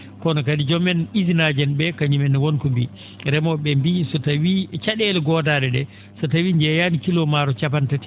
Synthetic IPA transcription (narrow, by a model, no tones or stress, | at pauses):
kɔnɔkadid͡ʒɔmɛnizinad͡ʒɛnbɛkaɲumɛnwonkɔmbi | ɾɛmɔɓɛmbisɔtawit͡ʃaɗɛlɡɔdadɛɗɛ | sɔtawiɲd͡ʒɛjanikilɔmaɾɔt͡ʃap̬antati̥